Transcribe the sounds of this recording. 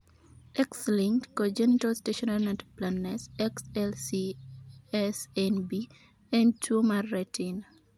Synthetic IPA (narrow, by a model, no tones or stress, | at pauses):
ɛksliŋktkod͡ʒɛnitasteʃɔnanatplanːɛsɛksɛlsi | ɛsɛnbi | ɛ̃ndtʰuomarːetin